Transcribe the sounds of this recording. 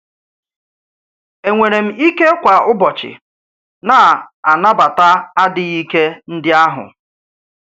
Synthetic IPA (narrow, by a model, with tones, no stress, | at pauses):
e˨ŋʷe˨ɾe˨m̩˦i˦ke˦kʷa˨ʊ˦bɔ˨t͡ʃɪ̰˨ | na˨a˨na˦ba˨ta˦a˦dɪ˨i˦ke˦n̩˦dɪ˦a˦ɦʊ̰˨